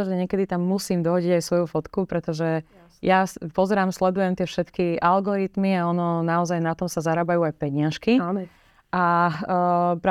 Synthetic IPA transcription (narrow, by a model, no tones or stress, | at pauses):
ʒɛɲɛkɛd̪it̪amːusiːmd̪ɔɦɔɟiɟajsʋɔjufɔt̪kupɾɛt̪ɔʒɛ | japɔzɛɾaːmslɛd̪ujɛmt̪ɪɛfʃɛt̪kiʔalɡɔɾit̪miaɔnɔnaɔzajnat̪ɔmsazaɾaːbajuajpɛɲɪaʃki | ʔa | pɾa